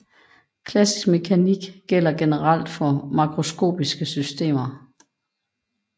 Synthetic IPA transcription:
kʰlæsi̥sɡ̥me̝kʰæniɡ̥ɡ̥el̰ɐɡ̥e̝nəʁɑl̰d̥fɒ̽mɑ̈kʰʁo̝sɡ̥o̝̰ːb̥isɡ̥əsysd̥e̝̰ːmɐ

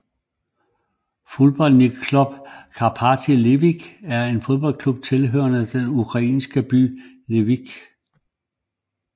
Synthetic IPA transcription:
fo̝ðˠb̥ɒ̽l̰ni̥kʰlub̥kʰɑ̈pʰɑt͡sʰile̝ʋiɡ̥æɐe̝nfo̝ð̞ˠb̥ɒ̽l̰kʰlub̥̚t͡sʰe̝lɦø̰ːɐnəd̥enukʰʁɑ̈ḭːnsɡ̥əb̥y̰ː | leʋiɡ̥

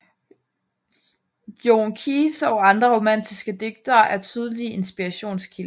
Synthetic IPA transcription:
joŋkʰisɒ̽ɑ̈nd̥ʁɐʁo̝mæn̰d̥isɡ̥əd̥e̝ɡ̥̚d̥ɐːʔæɐt͡sʰyːð̞ˠlie̝nsb̥iʁɑɕo̝̰ːnskʰil

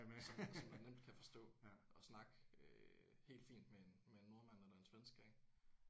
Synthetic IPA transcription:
sɒmnsɒmænnem̰d̥̚kʰæfɒ̽sd̥ɔ̰̽ːʔɒ̽snɑ̈ɡ̥øhe̝̰ːld̥fḭːnd̥mee̝n | mee̝nːo̝ɐmæn̰elɐe̝nsʋensɡ̥ɛŋ

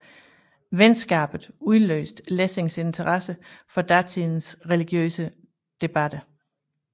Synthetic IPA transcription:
ʋensɡ̥ɑ̰ːb̥ð̩ˠuðˠlø̰ːsd̥lese̝ŋse̝nt͡sʰəʁɑsəfɒ̽d̥æt͡sʰinsʁɛliɡ̥jø̰ːsə | d̥e̝b̥æd̥ə

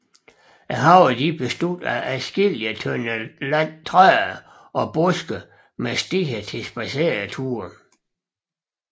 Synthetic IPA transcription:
æɦɑ̈ʊ̰d̥ib̥e̝sd̥ud̥æʔæsɡ̥eliən | t͡sʰʁœɐ | ɒ̽b̥ɔsɡ̥ə | mesd̥iɡ̥æt͡sʰe̝sb̥æse̝ɐðt͡sʰuːɐ

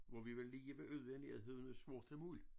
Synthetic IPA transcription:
ʋɒʋiʋelːiːəʋeʔøðˠeniheðˠɦe̝ð̰ˠn̩əsʋo̝ɐtʰelmuːl

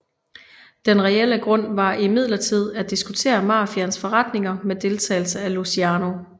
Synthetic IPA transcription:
d̥enʁɛel̰əɡ̥ʁɔ̽n̰ʋɑ̈ʔimið̞̰ˠlɐt͡sʰið̞̰ˠæd̥isɡ̥ut͡sʰe̝̰ːɐmɑ̈ːfiænsfɒ̽ʁɑd̥ne̝ŋɐmed̥e̝lt͡sʰɛ̰ːɪl̩səælusiɑːno̝

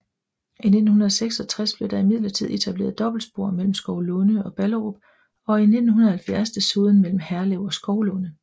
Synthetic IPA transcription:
ine̝d̥n̩hunɐðˠseɡ̥sɒ̽t͡sʰʁasb̥le̝ʊd̥ɑ̈imið̞̰ˠlɐt͡sʰið̞̰ˠe̝t͡sʰæb̥le̝ːɐðˠd̥ɒ̽b̥l̩sb̥o̝ɐ̰mel̰m̩sɡ̥ɒʊlɔnəɒ̽b̥ælʁob̥ | ɒ̽ine̝d̥n̩ɦunð̩ˠhælfjæɐsd̥esoːðˠn̩mel̰m̩hæɐleʊ̰ɒ̽sɡ̥ɒʊlɔ̽nə

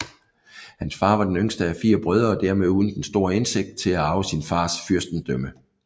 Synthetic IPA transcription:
hænsfɑ̈ːʋɑ̈d̥enøŋsd̥əæfḭːɐb̥ʁœð̞ˠɐːd̥æɐmeðˠuːð̞ˠn̩d̥ensd̥o̝ɐe̝nse̝ɡ̥̚d̥̚t͡sʰe̝læɑ̈ʊəsinfɑ̈ːsfyɐsd̥n̩d̥œmə

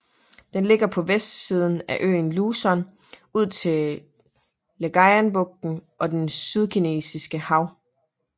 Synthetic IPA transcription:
d̥enle̝ɡ̥ɐpʰɒ̽ʋesd̥siːð̞ˠn̩æʔø̰ːn̩luːsɒn | uð̞̰ˠt͡sʰe̝ | leɡ̥ɑɪænb̥ɔ̽ɡ̥̚d̥n̩ʔɒ̽d̥ensyð̞ˠkʰine̝̰ːsisɡ̥əhɑ̈ʊ̰

